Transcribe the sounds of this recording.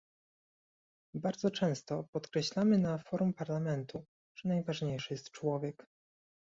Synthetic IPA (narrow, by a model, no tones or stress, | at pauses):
baɾd̪zɔt͡ʂɛ̃w̃st̪ɔpɔt̪kɾɛɕlamɘnafɔɾumpaɾlamɛnt̪ʰu | ʐ̥ɛnajvaʐɲejʂɘjɛst̪̚t͡ʂwɔvʲjɛk